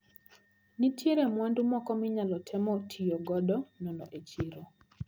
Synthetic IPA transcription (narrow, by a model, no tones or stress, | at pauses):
nitʰeɾemwandumɔkɔmɪɲalɔtʰɛmɔtʰijɔɡɔdɔnɔnɔ̰ʔet͡ʃiɾɔ